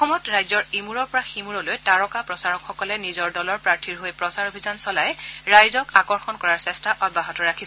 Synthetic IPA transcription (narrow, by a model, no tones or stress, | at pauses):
xɔmɔtɹajzɔɹimuɹɔɹpɔɹaximuɹɔlojtaɹɔkapɹɔsaɹɔkxɔkɔlɛnizɔɹdɔlɔɹpɹaɹtʰiɹɦojpɹɔsaɹobʱizansɔlajɹajzɔkakɔɹxɔnkɔɹaɹsɛstaʔɔd̚baɦɔtɔɹakʰis